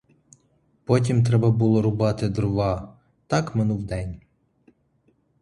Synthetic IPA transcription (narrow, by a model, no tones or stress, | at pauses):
pɔtʲimt̪ɾɛbɐbulˠɔɾʊbɑt̪ɪd̪ɾʊʋɑ | t̪ɑkmenuwd̪ɛnʲ